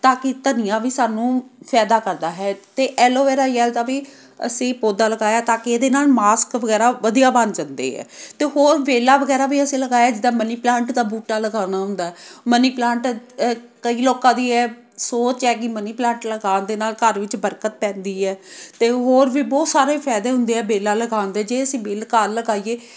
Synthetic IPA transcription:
t̪ãːkɪt̪ənɪjãːʋiːsaːnũːpʰɛːd̪aːkəɾd̪aːɦɛːt̪eːʔɛːloːʋɛːɾaːjɛːlt̪aːʋiː | ə̰sĩːpoːd̪aːləɡaːjaːt̪aːkieːd̪eːnaːlmaːskʋəɡɛːɾaːʋəd̪ijaːbənd͡ʒənd̪ḛːɦɛ̰ːt̪eːɦoːɾʋeːlaːʋəɡɛːɾaːbiːəsĩːləɡaːjaːd͡ʒɪd̪aːməniːplãːɳʈd̪aːbuːʈaːləɡaːnaːɦʊ̃nd̪aːɦɛːməniːplãːɳʈ | kəiːloːkãːd̪iːɛː | soːt͡ʃɛːɡiːməniːplãːɳʈləɡaːnd̪eːnaːlkəɾʋɪt͡ʃbəɾkət̪̚pɛ̃ːnd̪iːɛːt̪eːɦoːɾʋiːbɔːt̪saːɾeːpʰɛːd̪eːɦʊ̃nd̪eːɦɛːbeːlaːləɡaːnd̪eːd͡ʒeːəsĩːʋeːlkaːɾləɡaːijeː

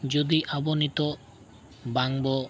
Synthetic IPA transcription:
d͡ʒɔd̪iʔabɔnit̪ɔ | baŋbɔ

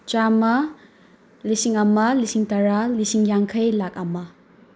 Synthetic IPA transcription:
t͡ʃamɐ | lisiŋɐmɐlisiŋtɐɾalisiŋjaŋkʰajlak̚ɐmɐ

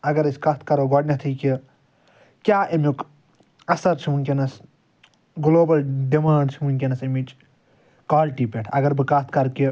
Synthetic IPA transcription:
ɐɡɐɾɐsʲkɐst̪̚ʰkɐɾoɡoɖnʲɐt̪ʰiːki | kʲaːʔɐmuk | ɐsɐɾt͡ʃʰimunkʲenɐs | ɡloːbɐlɖimaːɳɖt͡ʃʰimunʲkʲenɐsɐmit͡ʃ | kaːlʈiːpʲeʈʰɐ̰ɡɐɾbɨkɐst̪ʰkɐɾki

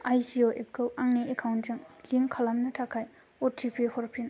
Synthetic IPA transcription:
ajsioʔep̚ɡɯwʔaŋniekʰawnd͡ʒɯŋliŋkʰalamnɐtʰakʰaj | otʰipʰehɔɾpʰin

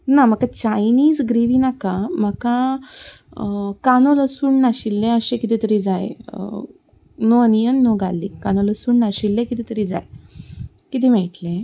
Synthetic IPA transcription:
nam̤əkat͡ɕajniːd͡zɡɾiʋinakaməka | kanoləsuːɳnaɕilːeəɕẽkit̪it̪əɾid͡zajḛ | noənijənːoɡa̰lːikkːanoləsuːɳnaɕilːẽkit̪it̪əɾiːd͡za̰j | kit̪̬im̤eʈle

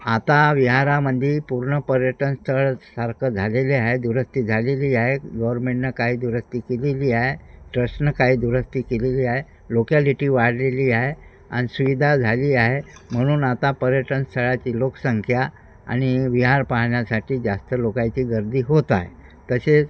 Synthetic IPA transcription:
at̪aʋiɦaɾaməd̪ʱːiːpuɾɳəpəɾjəʈənst̪ʰəɭsəɾkʰəd͡zʱaleleaɦed̪uɾəst̪iːd͡zʱaleliːaɦeɡəʋəɾmẽɳʈnakaɦiːd̪uɾəst̪iːkeleliːaɦeʈɾəsnakaɦiːd̪uɾəst̪iːkeleliːaɦe | lokaliʈiːʋaɽ̤leliːaɦe | a̰ñisuʋid̪ʱad͡zʱaliːaɦem̤əɽ̃uːnat̪apəɾjəʈənst̪ʰəɭat͡ɕiːlokə̥səŋkʰja | a̰ɽ̃iʋiɦaɾpaɦɳjasaʈiːd͡zast̪əlokajt͡ɕiːɡəɾd̪ʱiːɦot̪a̰ɦḛ | t̪əset͡s

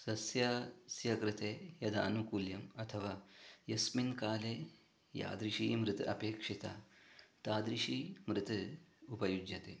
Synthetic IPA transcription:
sɐsjaːsjɐkɾɪt̪eːjɐd̪aːnukuljɐmɐt̪ʰɐʋaːjɐsminkaːleː | ja̰ːd̪ɾiʃiːmɾɨt̪ɐ̰peːkʂit̪a̰ːt̪aːd̪ɾiʃiːmɾɨt̪upɐjud͡ʒjɐt̪ḛː

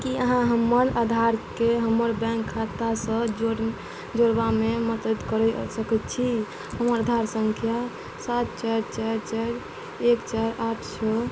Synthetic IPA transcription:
kiəɦãɦəmːəɾad̪ʱaɾkeɦəmːəɾbɛ̃ŋkʰːat̪asə̃o | d͡ʒoɾbamemət̪ət̪kəɾɛsəkɛt̪t͡ʃʰi | həməɾəd̪ʱaɾsəŋkʰja | sat̪t͡ʃaɾt͡ʃaɾt͡ʃaɾ | ekt͡ʃaɾaʈʰsʰɔ

